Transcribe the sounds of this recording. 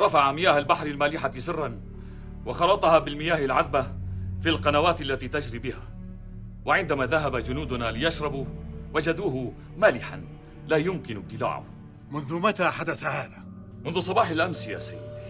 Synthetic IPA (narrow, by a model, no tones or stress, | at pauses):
ɾˤɑfaʕamɪjaːhalbaħɾɪlmaːlɪħasɪrːɑn | wɑxɑlɑt̪ˤɑhaːbɪlmɪjaːhalʕaðbafilqɑnawaːt̪ʔalːat̪iːt̪ad͡ʒɾiːbɪhaː | waʕɪnd̪amaːðaɦabad͡ʒʊnuːd̪ʊnaːlɪjaʃɾˤɑbuwad͡ʒad̪uːɦʊ | maːlɪħa̰n | laːjʊmkɪnʊb̚t̪ːɪla̰ːʕʊ̰h | mʊnðʊmat̪aːħad̪aθahaːðaː | mʊnðʊsˤɑbɑːħɪlʔamsɪja̰sajːd̪